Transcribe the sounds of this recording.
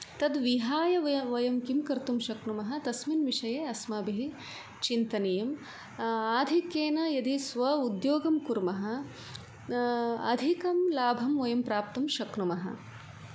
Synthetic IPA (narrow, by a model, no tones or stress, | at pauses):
t̪ɐd̪ʋiɦaːjɐʋɐʋɐjɐmkimkɐɾt̪umʃɐknumɐɦɐt̪ɐsminʋiʂɐjeːɐsmɐbiɦi | t͡ʃint̪ɐnɐjɐm | aːd̪ʱikjeːnɐjɐd̪isʋɐud̪joːɡɐmkuɾmɐɦɐ̆ | ɐ̰d̪ʱikɐmlaːbʱɐmʋɐjɐmpɾaːp̚t̪ɐmʃɐknumɐɦɐ̰